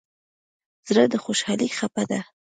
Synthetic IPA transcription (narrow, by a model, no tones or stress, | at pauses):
z̥ɾəd̪əxoʃɑlixapad̪a